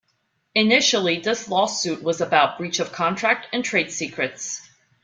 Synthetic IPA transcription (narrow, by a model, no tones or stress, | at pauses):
ɨnɪʃl̩ˠiðɪslɔsʉt̚wʌzəbaʊt̚b̥ɹit͡ʃʌv̥kʰɑ̃ntʰɹ̥æk̚tɨ̃ntʰɹ̥eɪd̥sikɹɨts